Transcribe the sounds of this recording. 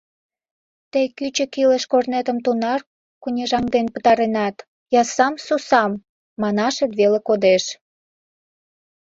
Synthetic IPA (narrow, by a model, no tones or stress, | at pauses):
t̪ejkyt͡ɕə̆kiləʃkornet̪ə̆mt̪unɑr | kunʲeʒɑŋd̪enpə̥̆t̪ɑɾenɑt̪ | jɑsɑmsusɑmː | ɑnɑʃet̪βelekod̪eʃ